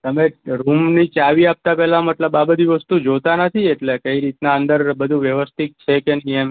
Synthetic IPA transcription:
t̪əmeɾumnit͡ʃaʋiap̚t̪apɛɦlaməʈləbabəd̪iʋəst̪ud͡ʒot̪anət̪ʰieʈlekəiɾit̪naənd̪əɾbəd̪ʱuʋjəʋəst̪ʰik̚t͡ʃʰekeniəm

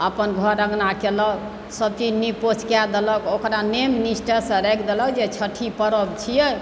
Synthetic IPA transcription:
əpənɡʱɔɾəɡnakelɔk | səb̚t͡ʃid͡ʒnipot͡ʃkjad̪elɔkokɾanemnisʈəsə̃ɾɛkʰd̪elɔd͡ʒet͡ʃʰəʈʰipəɾəbt͡ʃʰijɛ

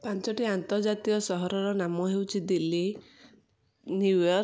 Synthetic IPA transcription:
pant͡ʃɔʈiant̪ɔɾd͡ʒat̪iɔsɔɦɔɾɔɾɔnamɔɦewt͡ʃʰid̪ili | nuwɔ

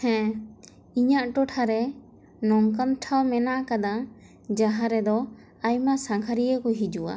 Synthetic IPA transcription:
hɛ̃ | iɲaʔʈɔʈʰaɾɛ | nɔŋkanʈʰawmɛnaʔakad̪a | d͡ʒaɦaɾɛd̪ɔ | ajmasaŋkʰaɾijəkɔɦid͡ʒua̰

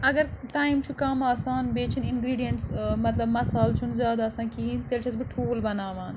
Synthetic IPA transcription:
ɐɡɐɾʈaːimt͡ʃʰukɐmaːsaːnbeːt͡ʃʰinɪnɡɾiːɖijɐɳʈsmɐt̪lɐbmɐsaːlt͡ʃʰunzjaːd̪aːsãːnkiːnt̪eːlt͡ʃʰɐsbiʈʰuːlbɐnaːʋãːn

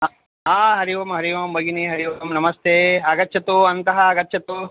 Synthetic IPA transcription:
ɦaːɦɐɾiʋɐmɦɐɾiʋɐmbɐɡiniɦɐɾiʋɐmnɐmɐst̪ʰeːɐɡɐtːt͡ʃʰɐt̪uɐnt̪ɐɦɐːɡɐtːt͡ʃʰɐt̪u

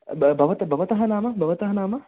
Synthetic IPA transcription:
bɐʋət̪əbɐʋət̪əɦɐnaːmɐbɐʋət̪ɐɦɐnaːmɐ

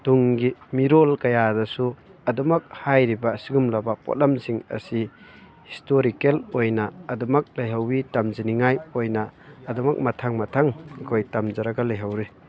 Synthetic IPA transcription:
d̥uŋɡimiɾolkɐjadɐsuɐdɔmɐk̚hajɾibɐsiɡumlɐbɐpɔ̰t̚lamsiŋɐ̰si | histoɾikelojnɐːdumɐk̚lɐjɦawitɐmziniŋajojnɐːdumɐk̚mɐtʰaŋmɐtʰaŋkʰojtɐmzɐɾɐɡalɐjɦawɾi

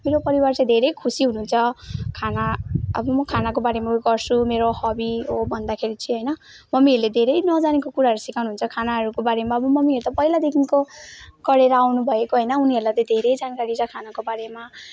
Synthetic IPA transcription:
meɾopʌɾiwart͡sad̪ʱeɾʌjkʰusiɦunuːnt͡sʰʌkʰanaʌ̰bʌmʌkʰanakobaɾemauɡʌrsʰumeɾohʌbiɦobʱʌnd̪akʰeɾit͡sʰiɦʌjnʌ | mʌmiɦʌɾled̪ʱeɾʌjnʌd͡zanekokuɾaɦʌɾusikʰawnuɦunt͡sʰʌkʰanaɦʌɾukobaɾemaʌbʌmʌmiɦʌɾut̪apʌilad̪ekʰinkokʌɽeɾʌawnubʱʌekoɦʌjnʌuniɦʌɾulajt̪ʌd̪ʱeɾʌjd͡zankaɾit͡sʰʌkʰanakobaɾema

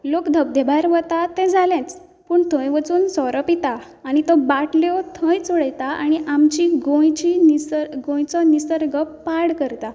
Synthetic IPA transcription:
lokd̪ʱəb̚d̪ʱebʱaɾʋət̪at̪ɛ̃d͡zʱalɛ̃t͡s | puːɳt̪ʰə̃jʋət͡suːnsɔɾɔpit̪aː | ɽ̃it̪ɔbaʈleɔt̪ʰə̃jt͡sɔɽəjt̪aaɽ̃iʔamt͡ɕiɡõjt͡ɕiniɡõjt͡sɔnisəɾɡəpːaɽkəɾt̪a

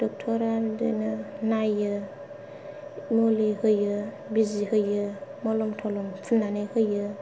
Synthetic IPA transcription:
d̥ɔk̚tʰɔɾadḛnɯnajɯ | molihɯjɯ | bizihɯjɯmɔlɔmtʰɔlɔmpʰulnanehɯjɯ

